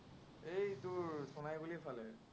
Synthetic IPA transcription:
ejtʊɹsɔnajbulipʰalɛ

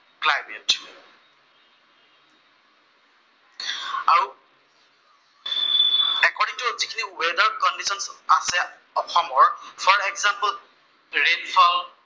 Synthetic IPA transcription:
klajmɛt | aɹu | ɛkɔɹdiŋtuzikʰiniwedaɹkɔndisɔnsasɛ | ɔxʰɔmɔɹpʰɔɹɛɡzampəl | ɹenfʰɔl

